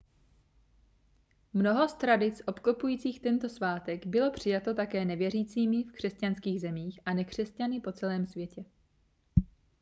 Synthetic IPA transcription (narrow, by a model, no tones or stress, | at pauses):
mno̞ɦo̞st̪ɾadɪt͡sʔo̞pkopujiːt͡siːxt̪ɛnt̪o̞svaːt̪ɛɡbɪlo̞pr̝̥ɪjat̪o̞t̪akɛːnɛvjɛriːt͡siːmɪfkr̥ɛscanskiːɣzɛmiːxʔanɛkr̝̥ɛscanɪpo̞t͡sɛlɛːmsvjɛcɛ